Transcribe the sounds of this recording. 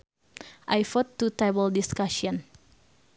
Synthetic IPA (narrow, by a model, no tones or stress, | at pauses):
ʔajfɔt̪ːut̪ɾɛbəldiskasiɔn